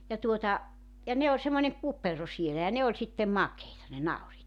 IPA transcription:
jɑ tuotɑ jɑ ne olʲ semːonʲeŋ kupero sielæ jɑ ne olʲ sitːem mɑkeitɑ ne nɑuriːt

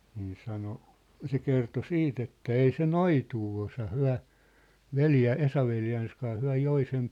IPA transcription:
niː sɑno se kerto siːt etːæ ei se noituː osɑ hyæ̝ ʋeljæ esɑʋeljæːns kɑː hyæ̝ joi sem

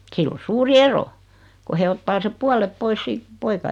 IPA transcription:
silː o suːri ero ko he otːɑː sep̆ puɑlep pois siːt poikɑ

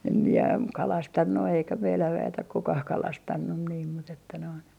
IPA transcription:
em mie kɑlɑstɑnːu eikæ meilæʋ ʋæet ok kukɑh kɑlɑstɑnːun niːm mut etːæ noin

